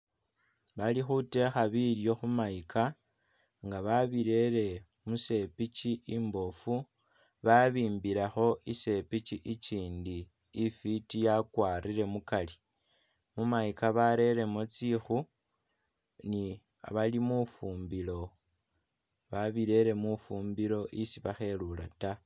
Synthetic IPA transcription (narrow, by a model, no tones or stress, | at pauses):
βalixute̞xaβiljo̞xumaikʰa | ŋɡaβaβiɾe̞ɾe̞ | muse̞pit͡ʃiimbo̞fu | βaβiːmbiɾaxo̞ise̞pit͡ʃiʔit͡ʃiːndiː | fitijakwaːɾiɾe̞mukali | mumaikaβaɾe̞ɾe̞mot͡sixu | ni | a̰βalimufuːmbilo̞ | βaβiɾe̞ɾe̞mufuːmbilo̞ʔisiβaxe̞lula̰ta